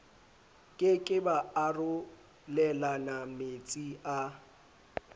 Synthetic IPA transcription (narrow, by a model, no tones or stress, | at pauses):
kʼɪkʼɪbaarʊ | lɛlanamet͡sʼia